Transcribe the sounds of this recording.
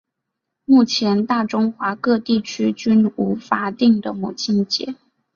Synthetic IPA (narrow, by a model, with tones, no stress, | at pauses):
mu˥˩t͡ɕʰjɛ˧˥nt̪a˥˩ʈ͡ʂʊ˥ŋxwa˧˥kɤ˥˧t̪i˥˩t͡ɕʰy˥t͡ɕy˥nu˧˥fa˧˥t̪i˥˩ŋd̪ə˩mu˨˩t͡ɕi˥nt͡ɕjɛ̰˧˥˦